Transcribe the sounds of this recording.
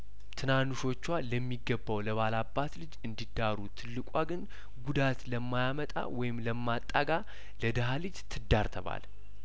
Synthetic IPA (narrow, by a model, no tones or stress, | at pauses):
t̪ʰɨnanuʃo̞t͡ʃːwaləmːiɡəbːawləβalabːat̪lɨd͡ʒɨnd̪id̪aɾut̪ʰɨlːɨkʷʼaɡɨn | ɡud̪at̪ləmːajamət̪ʼa̰wɔjɪmləmːat̪ʼːaɡa | ləd̪əɦalɨd͡ʒt̪ʰɨd̪aɾt̪ʰəβa̰l